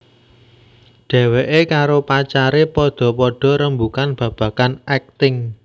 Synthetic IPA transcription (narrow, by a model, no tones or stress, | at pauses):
ɖ̥ɛ̤weʔekaɾopat͡ʃaɾepɔɖ̪̥ɔ̤pɔɖ̥ɔ̤ɾəmbukanb̥ä̤b̥ä̤kanɛk̚t̪ɪŋ